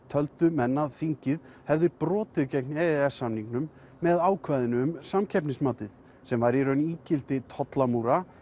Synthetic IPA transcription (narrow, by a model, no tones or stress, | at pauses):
t̪ʰœlt̪ʏmɛnːaðfiɲcɪð | hɛvðɪpɾɔːt̪ɪðcɛknɛɛsːamniŋknʏmː | ɛðaːwkʰvaːjðɪnʏːmsamcʰɛpnɪsmaːt̪ɪð | sɛmvaɾiɾœɥniːcɪlt̪ɪt̪ʰɔt̪lamuɾa